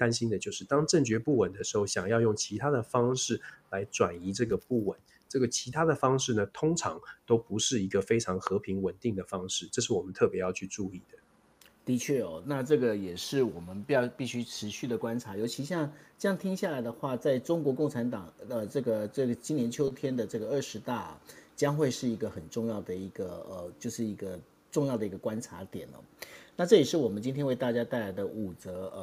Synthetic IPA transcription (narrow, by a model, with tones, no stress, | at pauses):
t̪a˥nɕi˥nd̪ə˨t͡ɕjo˥˧ʊʂɻ̩˥˩t̪ɑ˥ŋʈ͡ʂə˥˩ŋt͡ɕɥɛ˧˥pu˥˩wə˨˩nd̪ə˨˦ʂ̩˧˥xo˥˩ʊɕjɑ˨˩ŋjɑ˥˧ʊjʊ˥˩ŋt͡ɕʰi˧˥t̪ʰa˥d̪ə˨fɑ˥ŋʂɻ̩˥˩la˧˥ɪʈ͡ʂwa˨˩ni˧˥ʈ͡ʂɤ˥˩ɡə˩pu˥˩wə˨˩˦n | ʈ͡ʂɤ˥˩ɡə˩t͡ɕʰi˧˥t̪ʰa˥d̪ə˨fɑ˥ŋʂɻ̩˥˩nə˩t̪ʰʊ˥ŋʈ͡ʂʰɑ̰˧˥ŋt̪o˥ʊpu˧˥ʂɻ̩˥˩i˧˥ɡə˧fe˥ɪʈ͡ʂʰɑ˧˥ŋxɤ˧˥pʰi˧˥ŋwə˨˩nt̪i˥˩ŋd̪ə˩fɑ˥ŋʂɻ̩˥˩ʈ͡ʂɤ˥˧ʂ̬ɻ̩˥˩wɔ˨˩mə˦nt̪ʰɤ˥˩pjɛ˧˥jɑ˥˧ʊt͡ɕʰy˥˧ʈ͡ʂu˥˧i˥˩d̪ə˩ | t̪i˧˥t͡ɕʰɥɛ˥˩ɔ˥˩na˥˧ʈ͡ʂɤ˥˩ɡə˩jɛ˨˩ʂɻ̩˥˩wɔ˨˩mə˦nppi˥˩ɕy˥ʈ͡ʂʰɻ̩˧˥ɕy˥˩d̪ə˩kwa˥nʈ͡ʂʰa˧˥jo˧˥ʊt͡ɕʰi˧˥ɕjɑ˥˩ŋʈ͡ʂɤ˥˧jɑ˥˩ŋt̪ʰi˥ŋɕja˥˩la˧˥ɪd̪ə˧xwa˥˧t͡sa˥˩ɪʈ͡ʂʊ˥ŋkwɔ˧˥kʊ˥˩ŋʈ͡ʂʰa˧˥nt̪ɑ˨˩ŋə˧ʈ͡ʂɤ˥˩ɡə˩ʈ͡ʂɤ˥˩ɡə˩t͡ɕi˥njɛ˧˥nt͡ɕʰjo˥ʊt̪ʰjɛ˥nd̪ə˨ʈ͡ʂɤ˥˩ɡə˩ə˥˩ʂɻ̩˧˥t̪a˥˩t͡ɕjɑ˥ŋxwe˥˧ɪʂɻ̩˥˩i˧˥ɡə˧xə˨˩nʈ͡ʂʊ˥˧ŋjɑ˥˩ʊd̪ə˩i˧˥ɡ̥ə˧ə˧t͡ɕjo˥˧ʊʂɻ̩˥˩i˧˥ɡə˧ | ʈ͡ʂʊ˥˧ŋjɑ˥˩ʊd̪ə˩i˧˥ɡə˧kwa˥nʈ͡ʂʰa˧˥t̪jɛ̰˨˩nə̰˦na˥˧ʈ͡ʂɤ˥˩jɛ˨˩ʂɻ̩˥˩wɔ˨˩mə˦nt͡ɕi˥nt̪ʰjɛ˥nwe˥˧ɪt̪a˥˩t͡ɕja˥t̪a˥˩ɪla˧˥ɪd̪ə˧ʔu˨˩t͡sɤ˧˥˧